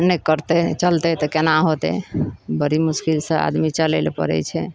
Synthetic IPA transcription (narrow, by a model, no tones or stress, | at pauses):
nɛkəɾt̪ɛt͡ʃəlt̪ɛt̪ɔkenaɦot̪ɛ̰bəɾimuskilsə̃a̰d̪mit͡ʃəlelpə̰ɾɛ̰t͡ʃʰɛ